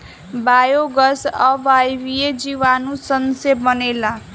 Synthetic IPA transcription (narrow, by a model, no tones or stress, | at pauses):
bajoɡʌsʌbajbied͡ziwanusʌnsebʌnela